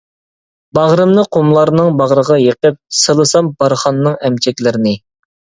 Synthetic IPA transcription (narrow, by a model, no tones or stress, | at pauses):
bɑʁɾɨmnɨqʰomlˠɑɾnɨŋbɑʁɾəʁɑjeqəp̚səlˠɨsɑmbɑɾχɑnːɨŋɛmt͡ʃʰɛkʲlɪɾɪnɪ